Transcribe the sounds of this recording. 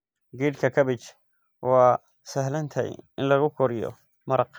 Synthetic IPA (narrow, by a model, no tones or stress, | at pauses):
ɡiːɖkʰɐkʰɐβɪt͡ʃ | wɑː | sɐɦlɐnt̪ʰɛ̰jʔɪnlɐɣʊkʰɔɾɪjɔ̰ | mɐɾɑq